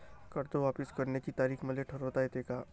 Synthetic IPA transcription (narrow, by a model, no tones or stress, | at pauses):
kɐɾt̪oʋaːpɪskɐɾnekit̪aːɾiːxmɐleʈʰɐɾot̪aɦet̪eːkaː